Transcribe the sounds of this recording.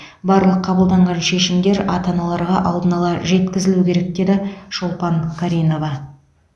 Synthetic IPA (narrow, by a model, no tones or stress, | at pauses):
bɑɾlˠəqʰːɑbəlˠd̪ɑɴʁɑnʃe̞ʃɪmd̪e̞ɾɑt̪ɑnɑlˠɑɾʁɑʔɑlˠd̪ənɑlˠɑʒe̞t̪kʲɪzɪlukʲʰe̞ɾe̞k̚d̪e̞d̪ɪʃolˠpɑŋkʰaɾijno̞vɑ